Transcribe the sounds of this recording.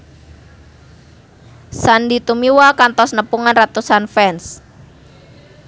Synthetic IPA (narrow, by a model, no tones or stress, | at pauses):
sandit̪umiwakant̪ɔsnəpuŋanrat̪usanfɛns